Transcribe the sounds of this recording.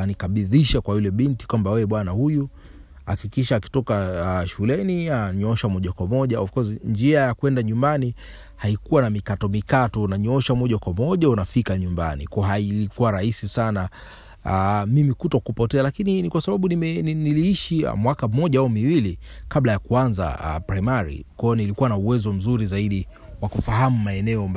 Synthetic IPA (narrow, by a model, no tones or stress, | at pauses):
anikaɓiðiʃakwajilɛɓinti̥kwambawɛɛɓwanahuju | hakikiʃaːki̥tɔkaʃulɛniaɲɔʃamɔʄakwamɔʄaɔfkɔsind͡ʒiajakwɛndaɲumbani | haikuwanamikatɔmikatɔːnaɲɔʃamɔʄakwamɔʄaunafikaɲumba̰nḭkɔɔɦailikuwaɾahisisana | amimikutɔkupɔtɛalakininikwasaɓaɓuniminiliiʃia̰mwakamɔʄaaumiwilikablajakuanza̰a̰pɾajmaɾḭkwɔɔnilikuwanauwɛzɔm̩zuɾizaiɗi | wakufaɦamumaɛnɛɔmb